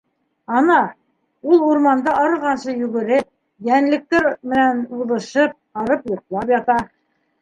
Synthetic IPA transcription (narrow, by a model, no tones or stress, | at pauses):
ɑnɑ | ulˠuɾmɑnd̪ɑʔɑɾɤ̆lʁɑnsɤjʉɡɘ̆ɾɘp̚ | jænlɘ̆k̚t̪ɘɾmɘ̆nænuðɤ̆ʃɤp̚ɑɾɤpjŏɾt̪̚lˠɑpjɑt̪ɑ